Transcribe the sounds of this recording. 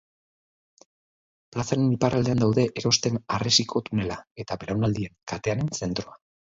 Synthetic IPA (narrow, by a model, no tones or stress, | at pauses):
plasaɾeniparald̪e̞and̪awðe̞ʔeɾo̞st̪e̞naresikʰo̞t̪une̞lae̞t̪aβelawnald̪ie̞ŋkat̪e̞ane̞nse̞nt̪ɾo̞a